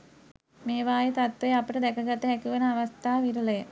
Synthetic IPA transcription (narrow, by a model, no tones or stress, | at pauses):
meːʋaːjɐt̪at̪ʋɐjapiʈəd̪ɛkʰɐɡɐt̪ːəɦɛkuʋenɐaʋɐst̪ʰaːʋiɾulɐjə